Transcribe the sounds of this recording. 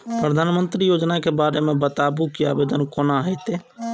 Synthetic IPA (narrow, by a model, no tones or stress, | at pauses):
pɾəd̪ʱaːnmənt̪ɾijoːd͡ʒnakebaɾemẽbət̪abukia̰bed̪ənkonaɦəjt̪e